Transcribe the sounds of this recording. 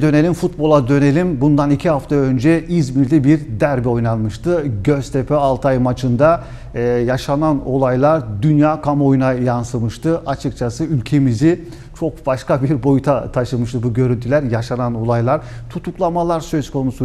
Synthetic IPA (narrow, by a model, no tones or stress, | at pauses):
d̪ø̞ne̞lʲimfut̪̚bo̞lˠad̪ø̞ne̞lʲimbund̪anicʰiɦaft̪ʰaø̞nd͡ʒɛʔizmiɾlʲibiɾd̪æɾbio̞jnanˠmɯʃt̪ʰɯɟøz̥t̪ʰe̞pʰøalˠt̪ʰajmat͡ʃʰɯnd̪a | jaʃanano̞lˠajlˠaɾd̪ynjaːkʰamo̞junajansɯmɯʃt̪ɯʔat͡ʃʰɯkt͡ʃʰasɯylʲcʰe̞mizi | t͡ʃʰo̞k̚b̥aʃkabiɾbo̞jut̪ʰat̪ʰaʃɯmɯʃt̪ɯbuɟø̞ɾynt̪ʰylʲæɾjaʃanano̞lˠajlˠaɾt̪ʰut̪uklˠamalˠaɾsø̞zkʰo̞nusu